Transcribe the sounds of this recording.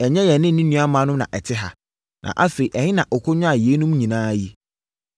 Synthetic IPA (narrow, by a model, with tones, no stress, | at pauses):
ɛ˨ɲɛ̃˦jɛ˨nɪ̃˦˨nĩ˦nũ˨˦a˦mã˨˦nʊ̃˦nã̰˨ʔɛ˨tʰɪ˦ɦa̰˨ | nʔã̰˨ʔa˦fe˨i˨ʔɛ˨hɪ̃˦nã˨ʔɔ˨kʰʊ˦ɲʊ̃˦a˨ji˨e˦nũ˦mɲĩ˨nãː˦ji˦